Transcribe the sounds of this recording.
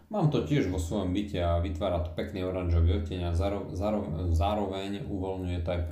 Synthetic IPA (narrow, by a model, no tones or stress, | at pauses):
maːmt̪ɔcɪɛʒʋɔsʋɔjɔmbicɛaʋit̪ʋaːɾat̪ɔ̥pɛkniɔɾanʒɔʋiɔcɛɲɛazzaɾɔzaːɾɔʋɛɲuʋɔlɲujɛt̪ɔajp